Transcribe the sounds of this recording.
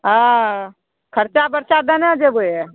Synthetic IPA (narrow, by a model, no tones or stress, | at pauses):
ɦa | kʰəɾt͡ʃabəɾt͡ʃad̪ənãd͡ʒeboe